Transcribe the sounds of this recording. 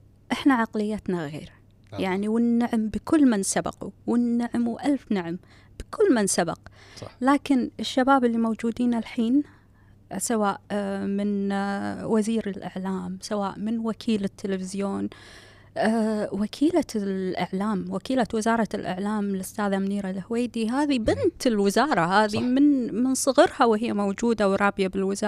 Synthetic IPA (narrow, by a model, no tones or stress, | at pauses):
ʔɪħnaʕaqlɪjːat̪naɣḛːɾ | jaʕniwɪnːaʕmbɪkʊlːmansabɑ̰qṵwɪnːaʕmwʔalfnaʕm | b̥ɪkʰʊlːmansaba̰qlaːkɪnɪʃːabaːbɪlːimowd͡ʒuːd̪iːnalħiːn | sawaːʔmɪn | waziːɾɪlʔɪ̰ʕlaːmsawaːʔmɪnwakʰiːlɪt̪ːɪlefɪzjoːn | ʔːwakʰiːlaʔaʕlaːmwakiːlawɪzɑːɾˤɑlʔɪ̰ʕlaːmɪlʔʊst̪aːðamniːɾalhweːd̪iɦaːðibɪnt̪ɪlwɪzɑːɾˤɑhaːðimɪnmɪnsˤɨɣɪɾhawɪhɪjːamowd͡ʒuːd̪awɾˤɑːbjabɪlwɪzɑːˤ